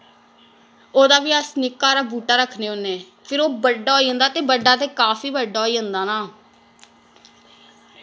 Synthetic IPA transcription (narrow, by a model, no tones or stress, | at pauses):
oːd̪aːʋiːəsnɪkːaːɾaːbuːʈaːɾəkʰneːʊnːeː | pʰɪɾoːbəɖaːɦoːiːɦə̃nd̪aːt̪eːbəɖːaːt̪eːkaːfiːbəɖaːoːiːə̃nd̪aːnaː